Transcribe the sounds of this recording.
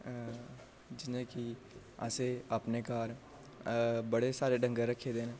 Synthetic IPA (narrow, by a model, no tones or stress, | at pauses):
d͡ʒɪnẽki | ə̰seəpnekaːɾ | bəɽesaːɾeɖə̃ŋɡəɾəkʰːed̪eːnɛ̃ː